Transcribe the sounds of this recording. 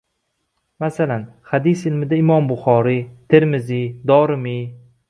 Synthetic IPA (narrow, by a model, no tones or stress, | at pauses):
masalanhad̪isɪlmɪd̪aɪmɒmbʊχɒɾit̪ʰeɾmɪzid̪ɒɾɪmi